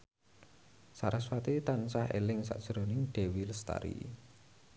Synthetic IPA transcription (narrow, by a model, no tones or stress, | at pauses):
saɾaswat̪it̪ansahḛlɪŋsa̰ʔd̥ʒ̥ɾonɪŋɖ̪̥e̤wilst̪a̰ɾḭ